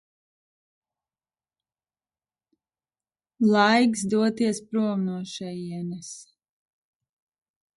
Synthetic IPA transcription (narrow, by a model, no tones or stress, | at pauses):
lˠajɡsd̪uɔt̪iɛspɾuɔmnuɔʃɛjiɛnɛs